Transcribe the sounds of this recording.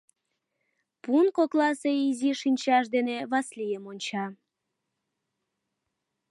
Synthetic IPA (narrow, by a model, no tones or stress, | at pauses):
punkoklɑseiziʃinʲt͡ɕɑʃ̬d̪eneβɑslijəmonʲt͡ɕɑ